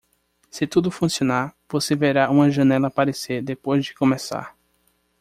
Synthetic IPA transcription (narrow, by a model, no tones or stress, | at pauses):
sɪt̪ud̪ʊfũsionaɾvoseveɾaũmɐʒɐ̃nɛlɐpaɾeseɾd̪epojzd͡ʒɪkõmesa̰ɾ